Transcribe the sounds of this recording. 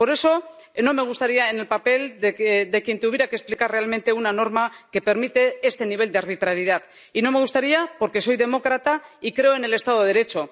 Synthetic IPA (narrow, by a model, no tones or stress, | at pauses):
po̞ɾe̞so̞ | no̞me̞ɣ̞ust̪aɾiaene̞lpape̞ld̪ed̪e̞kje̞nt̪uβjeɾakesplikarre̞almẽ̞nt̪e̞unano̞ɾmake̞pe̞ɾmit̪e̞est̪e̞niβ̞e̞ld̪eaɾβ̞it̪ɾaɾiðað | ino̞me̞ɣ̞ust̪aɾiapo̞ɾke̞so̞jðe̞mo̞kɾat̪aikɾe̞oe̞ne̞le̞st̪aðoðeɾe̞t͡ʃo̞